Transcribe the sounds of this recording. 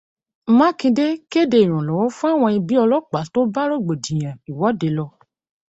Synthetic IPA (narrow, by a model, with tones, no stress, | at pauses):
mã˦kĩ˧de˦ki˦e˦˨de˧i˨ɾ̃ũ˨lɔ˨wɔ̃˨˦fũ˦a˦˨w̃ɔ̃˧i˧bi˦ɔ˧lɔ˦k͡pa˨˦to˦ba˦ɾo˦˨ɡ͡bo˨dĩ˨j̃ã˨i˨wɔ˨˦de˧lɔ˧